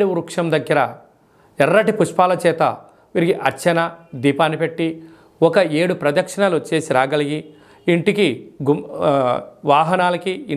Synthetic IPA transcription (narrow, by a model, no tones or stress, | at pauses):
ɽuuɾukʂɐmd̪ɐɡːɐɾɐ | ɛrːɐʈipuʂpaːlɐt͡ʃɛːt̪ɐ̰ | ʋiɾiɡiʔɐt͡ʃːɐnɐd̪iːpaːnipeʈːi | wɔkɐeːɽupɾɐd̪ɐkʂɐɳɐlut͡ʃːe̞ːsiɾaːɡɐliɡiː | ɳʈikiɡu | ʋaːɦɐnaːlɐkii